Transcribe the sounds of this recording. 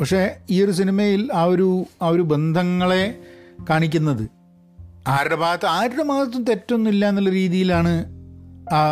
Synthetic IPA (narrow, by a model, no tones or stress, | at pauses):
pɐkʂe̞iorus̬inimɐjilɐoɾuɐo̞ɾube̞nd̪ʱɐŋːɐɭe̞kaːɳikʲːunːɐðɨ | aːɾɐbaːt̪ːaːɾɽɐmaːɐt̪̬ːumt̪e̞tːo̞nːumilːaːnːɐlːɐɾiːðijilaːɳɨ | a